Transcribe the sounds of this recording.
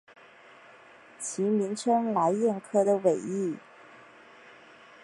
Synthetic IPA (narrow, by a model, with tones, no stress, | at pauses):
t͡ɕʰi˧˥mi˧˥nʈ͡ʂʰə˥ŋla˧˥ɪjɛ˥˩nkʰɤ˥d̪ə˨we˨˩ɪi˥˩